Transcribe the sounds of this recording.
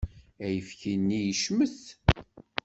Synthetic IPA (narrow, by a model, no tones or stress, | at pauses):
æjəfçinːijəʃməθ